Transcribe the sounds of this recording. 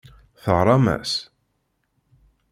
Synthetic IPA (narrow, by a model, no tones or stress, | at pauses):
θəʁɾˤɑmæ̰s